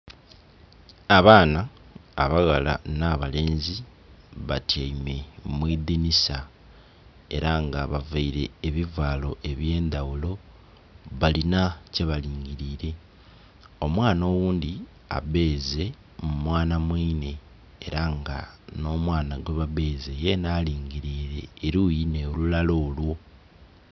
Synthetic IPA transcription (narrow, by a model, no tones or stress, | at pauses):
aβaːnaː | βaɣala̰naβale̞ːnzi | βatʰajime̞mwiːðinisa | e̞ɾaŋɡaβavaiɾe̞ːβivwaːlo̞ʔe̞βje̞ːnd̪awulo̞ | βalinace̞βaliːŋɡiɾiːɾe̞ | o̞mwaːno̞ːwuːnd̪i | a̰be̞ːze̞ | mumwaːnamwiːne̞ | eɾaŋɡa̰no̞ːmwaːnaɡwe̞βaβe̞ːze̞je̞naːliːŋɡiɾiːɾe̞ːɾuːjinelulalo̞ːlwo̞